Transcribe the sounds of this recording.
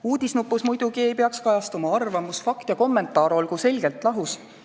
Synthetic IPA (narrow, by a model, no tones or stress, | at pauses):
uːd̪̥isnupːˑusmujd̪uɡie̞jpeɑkskɑjɑst̪umɑɑrvɑmusfɑkt̪jɑko̞mːe̞nt̪ːˑɑːɾo̞lɡuse̞lʲɡe̞lt̪ˑlɑɦus